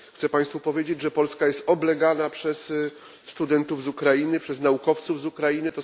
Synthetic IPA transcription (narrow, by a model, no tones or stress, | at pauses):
xt̪sɛpaj̃st̪fupɔvʲjed͡ʑed͡ʑʐɛpɔlskajɛst̪ɔblɛɡanapʂɛs | st̪ud̪ɛnt̪uvzukɾajinɘpʂɛznaukɔft̪suvzukɾajinɘt̪ɔ